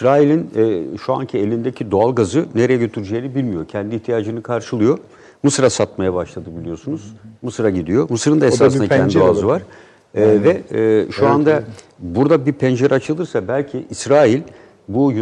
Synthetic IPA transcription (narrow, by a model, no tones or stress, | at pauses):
isɾaːilʲinːʃua̰ncʰie̞lʲind̪e̞cʰid̪o̞alˠɡazɯneɾejɛɟø̞t̪ʰyɾyd͡ʒejnibilʲmijo̞cʰɛnd̪iːçt̪ʰijaːd͡ʒɯnɯkʰaɾʃɯlˠɯjo̞ | mɯsɯɾasat̪̚majabaʃlˠad̪ɯbilʲijo̞sunuz̥mɯsɯɾaɟid̪ijo̞mɯsɯɾɯnd̪ae̞saːsɯnaɛndoazɯvaɾ̥ | ɛvɛːʃuand̪a | buɾd̪abiɾpʰɛnd͡ʒeɾʔat͡ʃʰɯlˠɯɾsabælʲcʰiʔːsɾaːilʲ | buj